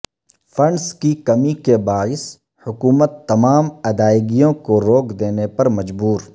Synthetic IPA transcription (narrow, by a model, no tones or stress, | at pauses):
fʰɐ̃ɳɖskikɐmikebaːɪs | hʊkuːmət̪ːɐmaːmɐd̪aːɪɡijõkoɾoːkʰd̪eːnepɐɾmɐd͡ʒbuːɾ